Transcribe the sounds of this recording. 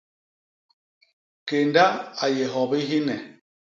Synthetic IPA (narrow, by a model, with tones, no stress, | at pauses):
ke˨nda˦a˨jɛ˨ɦɔ˨bi˦ɦi˦nɛ˨